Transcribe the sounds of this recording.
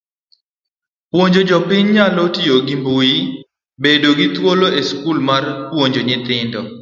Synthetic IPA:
pwoɲd͡ʒod͡ʒɔpɪɲɲalotioɡimbui | bedoɡit̪woloeskulmarpwoɲd͡ʒoɲɪt̪ɪndɔ

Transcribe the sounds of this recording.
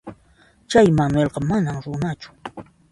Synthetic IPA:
t͡ʃajmanwelɢɑmanamɾʊnat͡ʃʊ̥

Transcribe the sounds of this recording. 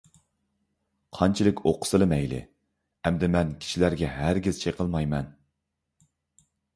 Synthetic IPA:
qʰɑnt͡ʃʰilˠɪkʲʰoqʰʊ̥sɨlˠɨmɛjlɪ̰ | ɛmd̪ɪmɛnkʲʰi̥ʃilæɾɡʲɛɦæɾɡʲiz̥t͡ʃʰeqʰəlˠmɑjmɛn

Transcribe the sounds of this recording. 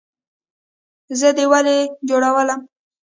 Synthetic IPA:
zəd̪əwaled͡ʒoɽawələm

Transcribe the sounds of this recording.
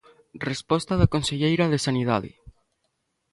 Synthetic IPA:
respɔst̪aðakonseʎejɾaðesaniða̰ðɪ̰

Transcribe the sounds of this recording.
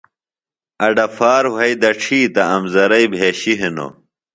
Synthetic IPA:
ɐɖɐfaːɾwɐjd̪ɐʈ͡ʂʰiːt̪ɐɐmzɐɾɐjbʱeːɕiɦeno̰

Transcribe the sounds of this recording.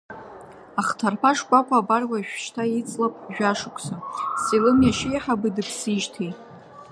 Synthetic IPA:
aχtʰarpʰaʂkʷʼakʷʰʼaːbarwaʃᶣʃtʰait͡sʼlapʼʒᶣaʂɨkʷʰʼsasilɨmjaʃɪjaħabɨdɨpʰsiʒtʰejtʼ

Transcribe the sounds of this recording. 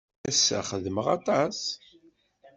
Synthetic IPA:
æsːæ̰χəðəməʁɑt̪ˤɑs

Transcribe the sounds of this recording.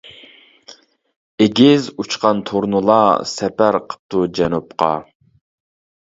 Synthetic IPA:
eɡʲɪzut͡ʃqɑnt̪ʰoɾnulˠɑsɛpæɾqʰə̥p̚t̪ud͡ʒɛnup̚qɑ̰

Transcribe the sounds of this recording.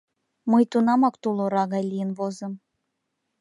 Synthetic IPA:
məjt̪unɑmɑkt̪ulˠoɾɑɣɑjlʲijə̆nβozɤ̆m

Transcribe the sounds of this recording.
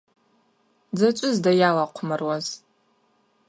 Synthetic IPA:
d͡zat͡ʃʷʼʊzdajalaqʷʰʊmɨrwaz

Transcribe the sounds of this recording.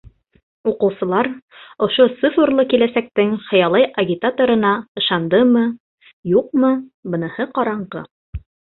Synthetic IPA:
uqɤ̆wsɤ̆lˠɑɾŏʃot̪sɨfŏrlˠɤkilæsæk̚t̪ɘŋχɤ̆jɑlˠɑjʔɐɡʲit̪at̪oɾɤ̆nɑɤ̆ʃɑnd̪ɤmɤ | juq̚mɤbɤ̆nɤ̆hɤqɑɾɑɴʁɤ̰

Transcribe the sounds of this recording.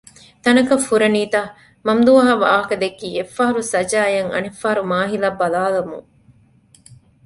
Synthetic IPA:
t̪ɐnɐkɐfːuɾɐniːt̪ɐː | mɐmd̪uɐɦɐʋaːɦɐkɐd̪ekːiːefːaɦɐɾusɐd͡ʒaːjɐŋɐ̰nifːaːɐɾumaːɦilɐbɐlaːlɐmṵŋ

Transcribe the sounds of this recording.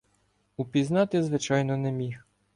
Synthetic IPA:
upʲiznɑt̪ɪzʋɪt͡ʃɑjnɔnɛmʲix

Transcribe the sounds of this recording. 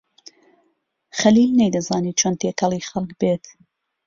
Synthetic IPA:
χɐliːlnejd̪ɐzaːniːt͡ʃʰoːnt̪ʰeːkɐlˠiːxɐlˠk̚beːt̪

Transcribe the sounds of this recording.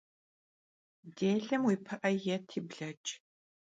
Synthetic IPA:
deːɮɐmwiːpʰɐʔɐjɛtʰiːbɮɐt͡ʃʼ

